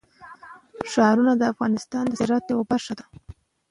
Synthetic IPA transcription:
ʃɑɾunad̪əafɣɑnɪst̪ɑnd̪əsɪɾɑt̪jawabaʂad̪a

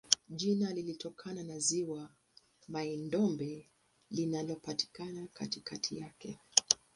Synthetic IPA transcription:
ʄinalilitɔkʰananaziwa | maindɔmbɛ | linalɔpati̥kanakatikatʰijakɛ

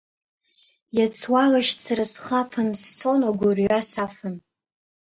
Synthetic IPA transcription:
jat͡sʰwalaʃsrɨsχapʰɨnst͡sʰonaɡʷʊrɥasafɨn

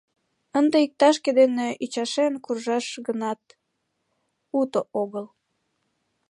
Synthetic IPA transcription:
ənd̪eik̚t̪ɑʃked̪eneʔit͡ɕɑʃenkurʒɑʃɡənɑt̪̚ | ut̪ooɣəl

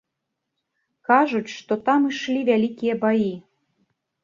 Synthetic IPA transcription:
kɑʒutʲʃt̪ot̪ɑmɨʃlʲivʲælʲikʲijebɑji

